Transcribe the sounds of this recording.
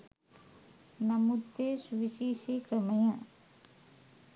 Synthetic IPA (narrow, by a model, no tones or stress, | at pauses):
nɐmut̪ːesuʋiʃiːʃiːkɾɐmɐjɐ